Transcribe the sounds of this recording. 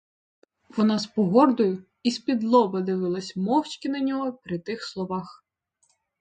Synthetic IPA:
ʋɔnɑspɔɦɔrd̪ʊjʊ | ispʲid̪lˠɔbɐd̪ɪʋɪlˠɐsʲmɔwt͡ʃkʲɪnɐnʲɔɦɔpɾʲɪt̪ɪxslˠɔʋɑx

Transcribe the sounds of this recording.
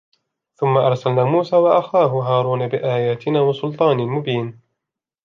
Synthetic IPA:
θʊmːaʔɑɾˤsalnaːmuːsaːwaʔaxaːɦʊɦaːɾˤuːnabɪʔaːjaːt̪ɪnaːwɑsʊlt̪ˤɑːnɪmʊbiːn

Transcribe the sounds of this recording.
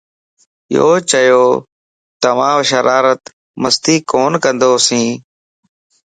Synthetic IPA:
jo̰ːt͡ʃəjoː | t̪əʋãːʋʃəɾaːɾət̪ | məst̪iːkoːnkənd̪oːsĩː

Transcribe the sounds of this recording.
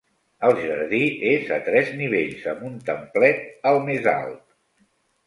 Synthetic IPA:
əlˠʒəɾðiezət̪ɾɛzniβ̞eʎzəmbunt̪əmplɛt̪əlˠmeza̰lˠt̪̚

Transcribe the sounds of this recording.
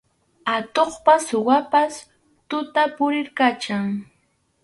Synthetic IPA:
at̪oχpasʊwapas | t̪ʊt̪apʊɾɪɾkat͡ʃaŋ

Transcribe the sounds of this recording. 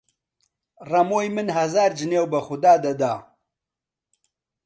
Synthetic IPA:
rɐmoːjmɨnɦɐzaːɾd͡ʒɨneːwbɐxʊd̪aːd̪ɐd̪aː

